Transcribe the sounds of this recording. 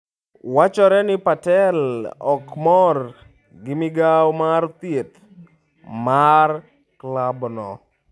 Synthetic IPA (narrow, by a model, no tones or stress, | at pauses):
wat͡ʃɔɾɛnɪpatɛlɔkmɔr | ɡɪmɪɡawmart̪et̪ | mar | klabnɔ̰